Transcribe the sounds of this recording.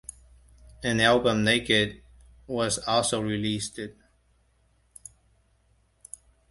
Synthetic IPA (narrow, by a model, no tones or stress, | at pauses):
ɨ̃nælˠbə̃mneɪkɨd̚ | wʌzɔlˠsoʊɹilistɪd̥̚